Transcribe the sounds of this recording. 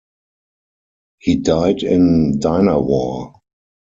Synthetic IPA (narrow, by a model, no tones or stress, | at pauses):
hiːdaɪdɪ̃ndaɪnəwɔ